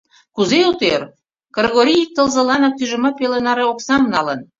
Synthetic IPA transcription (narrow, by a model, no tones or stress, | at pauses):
kuzeut̪er | krɣoɾʲijik̚t̪ə̆lzə̆lɑnɑk̚t̪yʒə̆mɑpelenɑɾeoksɑmnɑlən